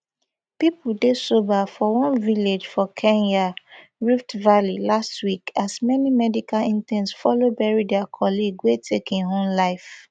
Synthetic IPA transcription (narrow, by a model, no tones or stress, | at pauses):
pipldesobafɔwɔ̃nviled͡ʒfɔkʰɛ̃njaɹiftvalilastwikasmɛnimɛdikalĩntɛ̃nsfɔlobɛɹidɛakʰɔliɡwetʰekĩnɦõmlaɪf